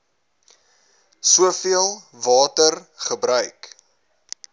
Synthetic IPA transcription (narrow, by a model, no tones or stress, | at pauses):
suəfiəlˠ | vɑːtərχəbɾœɥk